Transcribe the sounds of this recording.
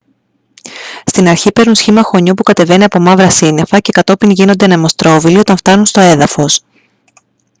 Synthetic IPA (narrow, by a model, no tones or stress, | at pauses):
st̪inɐɾçipe̞ɾnunsçimɐxo̞ɲupukɐt̪e̞ve̞niɐpo̞mɐvɾɐsine̞fɐce̞kɐt̪o̞piŋʝino̞nd̪enɐmo̞st̪ɾo̞vilio̞t̪ɐɱft̪ɐnunst̪o̞e̞ðɐfo̞s